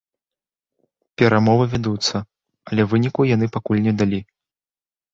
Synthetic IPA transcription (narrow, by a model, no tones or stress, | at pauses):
pʲɛɾamɔvɨvʲad̪ut̪sːɐ | ɐlʲɛvɨnʲikujan̪ɨpakulʲnʲɛd̪alʲi